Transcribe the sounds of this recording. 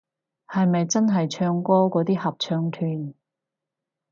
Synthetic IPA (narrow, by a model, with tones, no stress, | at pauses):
hɐ˨jmɐ˨jt͡sɐ˥nɦɐ˨jt͡ʃʰœː˧ŋkɔː˥kɔː˨˥t̪iː˥hɐ˨p̚t͡ʃʰœː˧ŋt̪ʰyː˨n